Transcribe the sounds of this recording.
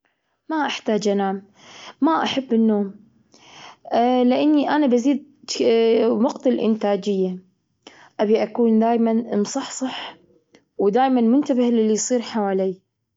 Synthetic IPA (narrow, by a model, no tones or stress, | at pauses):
maʔaħt̪aːd͡ʒʔanaːm | maʔaħabːɪnːoːm | lɪʔanːiʔanabaziːd̪̚ | mʊqt̪alʔɪ̰nt̪aːd͡ʒɪjːa | ʔabiʔakuːnd̪aːjmanʔɨmsˤɑħsˤɑħ | wd̪aːjmanmʊnt̪abɪhlɪlːijsˤiːɾħawaːliː